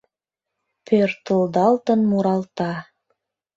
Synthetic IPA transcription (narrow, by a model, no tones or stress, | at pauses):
pʰørt̪əld̪ɑlt̪ə̆nmuɾɑlt̪ɑ